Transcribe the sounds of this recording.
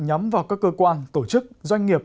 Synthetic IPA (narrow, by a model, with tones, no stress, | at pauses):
ɲɔ˨˦mvaː˨˩wkaː˦˥kːəː˧kwaː˧nt̪o˧˩t͡ɕɨ˦˥k̚zwa˧jŋ̟ŋi˨˩əp̚